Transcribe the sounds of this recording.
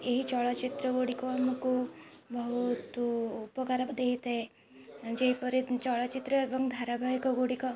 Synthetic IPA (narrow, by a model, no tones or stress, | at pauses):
eɦit͡ʃɔɭat͡ʃit̪ɾəɡoɽikɔamkubɔɦut̪ːpəkaɾad̪eɦit̪e | d͡ʒeɦipɔɾit͡ʃɔɭat͡ʃit̪ɾəebɔŋɡd̪ʱaɾabʱaikɔɡoɽikɔ